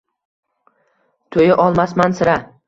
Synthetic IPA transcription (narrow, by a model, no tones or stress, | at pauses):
t̪ʰojɪʔɒlˠmasmansɪɾa